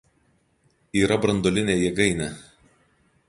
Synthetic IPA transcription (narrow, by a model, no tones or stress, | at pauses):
iːɾɐbɾɐnd̪oːlʲɪnʲeːjɛɡɐɪnʲɛ